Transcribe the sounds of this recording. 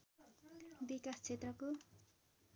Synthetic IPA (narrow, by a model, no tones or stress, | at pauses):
bikast͡sʰet̪rʌko